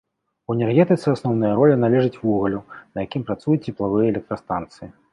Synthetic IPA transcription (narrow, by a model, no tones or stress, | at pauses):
uɛnʲɛrɣʲɛt̪ɨt̪sɨasnɔwnɨjɐɾɔlʲinalʲɛʐɨt͡sʲvuɣɐlʲunɐjakʲimpɾat̪sujut͡sʲːɛplˠavɨjɐɛlʲɛk̚t̪ɾɐst̪ant̪sɨji